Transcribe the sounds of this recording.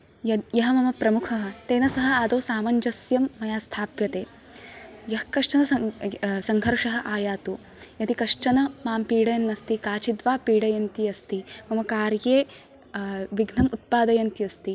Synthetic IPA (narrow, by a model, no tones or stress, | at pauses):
jɐjɐɦɐ̆mɐmɐpɾɐmukʰɐɦɐ̆t̪eːnɐsɐɦɐ̆aːd̪oːsaːmɐɲd͡ʒɐsjɐmːɐjaːst̪ʰaːpjɐt̪eː | jɐɦɐkɐʂʈɐnɐɐsɐŋɡʱɐɾʂɐɦɐ̆ʔaːjaːt̪u | jɐt̪ikɐʂʈɐnɐmaːmpiːɽɐjɐnːɐst̪ikaːt͡ʃid̪ʋaːpiːɽɐjɐnt̪iɐst̪imɐmɐkaːɾjeː | ʋiɡnɐmut̪̚paːd̪ɐjɐnt̪iɐst̪i